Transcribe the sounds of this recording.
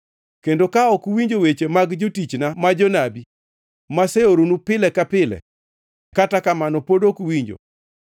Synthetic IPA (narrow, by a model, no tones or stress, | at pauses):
kendokaɔkwiɲd͡ʒowet͡ʃemaɡd͡ʒotit͡ʃnamad͡ʒonabi | maseoɾonupɪlɛkapɪlɛ̰ | katakamanɔpodokwiɲd͡ʒo̰